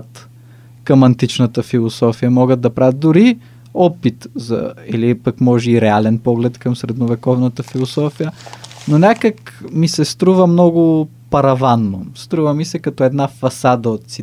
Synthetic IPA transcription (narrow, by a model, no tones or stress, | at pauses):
t̪ | kɐmɐnt̪it͡ʃnət̪əfilˠosɔfijəmɔɡəd̪̚d̪ɐpɾavət̪̚d̪ʊɾi | ɔpit̪zɐ̰ḭlipəkmɔʒɛiɾɛalɛnpɔɡlɛt̪kɐmsɾɛd̪novɛkɔvnət̪əfilˠosɔfijənonʲakəkmisɛst̪ɾuvəmnɔɡʊ | pɐɾɐvanːost̪ɾuvəmisɛkɐt̪ɔɛd̪nafɐsad̪əot̪̚si